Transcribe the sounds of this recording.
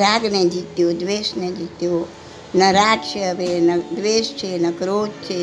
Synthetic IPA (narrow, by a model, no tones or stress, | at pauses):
ɾaːɡned͡ʒit̪jod̪ʋeːsned͡ʒit̪jo | nəɾaːɡt͡ʃʰeəbenɐd̪ʋeːst͡ʃʰenɐkɾoːd͡ʒt͡ʃʰe